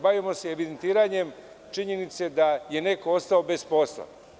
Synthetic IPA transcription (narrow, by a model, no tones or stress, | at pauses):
baʋimo̞seeʋid̪ent̪iːɾaɲe̞m | t͡ʃiɲe̞nit̪se̞d̪aje̞ne̞koost̪ao̞be̞sposlˠa̰